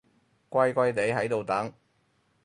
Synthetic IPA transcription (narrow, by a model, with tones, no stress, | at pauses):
kʷɐ˥˧jkʷɐ˥jt̪e˨˥jɦɐ˨˥jt̪o˨wt̪ɐ˨˥ŋ